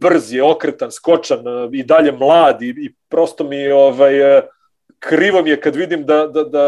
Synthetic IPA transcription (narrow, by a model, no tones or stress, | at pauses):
br̩zjeo̞kɾet̪ansko̞t͡ʃanid̪aʎe̞mlˠaːd̪iipɾo̞st̪omioʋaj | kʰɾiʋo̞mijekad̪ʋid̪imd̪ad̪ad̪a